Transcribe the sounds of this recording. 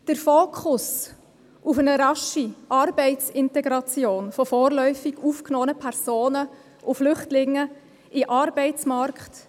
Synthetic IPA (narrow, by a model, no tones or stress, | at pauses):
d̥əɾfoːkʰʊs | ʔufənəɾɑʃiʔɑɾbɛɪtt͡sɪntɛɡɾɑt͡sjoːnfɔfɔːɾlœʏfiɡuːfknɔːənəpʰɛɾsoːnə | ʔʊflʏχtlɪŋːə | ɪʔɑɾbɛɪt͡smɑrkχt